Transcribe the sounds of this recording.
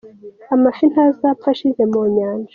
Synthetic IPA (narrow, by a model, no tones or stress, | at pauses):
amafinazapaʃizemoɲaːnd͡ʒa